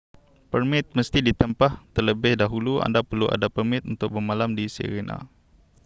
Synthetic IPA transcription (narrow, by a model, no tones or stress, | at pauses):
pərmɪt̪̚məst̪idit̪əmpaht̪ərləbɪhdaɦulua̰ndapərluʔa̰dapərmɪt̪̚unt̪ʊk̚bəmalamdisḛɾena̰